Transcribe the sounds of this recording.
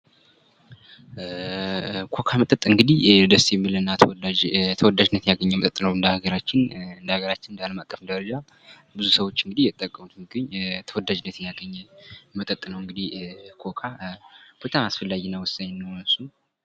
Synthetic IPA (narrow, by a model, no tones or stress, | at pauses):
kʰo̞kʰamət̪ʼət̪ʼɨŋɡɨd̪ihd̪əsjɛmːilnːat̪ʰt̪ʰəwɔd̪aʒɪnːət̪jaɡəɲːɛmət̪ʼət̪ʼːnəwɨnd̪əhaɡəɾat͡ʃːɪnɨnd̪əhaɡəɾat͡ʃːɪnɨnd̪əaləmat̪ʼːəfnd̪əɾəd͡ʒa | bɨzusəwo̞t͡ʃːɨŋɡɨd̪ihjɛt̪ʼːəkʼːəmut̪mɡɨɲːt̪ʰəwɔd̪ad͡ʒɪnːət̪jjaɡəɲːɛmət̪ʼət̪ʼːnəwɨŋɡɨd̪ihkʰo̞kʰab̥ət̪ʰaasfəlːajːɛnːəwʊsaɲːnːəwnɨsu